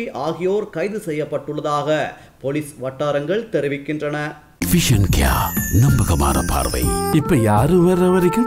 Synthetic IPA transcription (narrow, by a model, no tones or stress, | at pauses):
ʔaːɣɪjoːɾkɐɪðɯsɛjːɐpːɐʈːɯɭːɐðaːɣɐ | pɔlɪsʋɐʈːaːɾɐŋɡɐɭt̪ɛɾɯʋɪkːɪndrɐnɐ | fɪʂɐnkja̰ːnɐmbɐɣɐma̰ːɾɐ̰pa̰ːɾʋɐ̰ɪɪpːɐjaːɾɯʋɐɾːɐʋɐɾɐkːɯm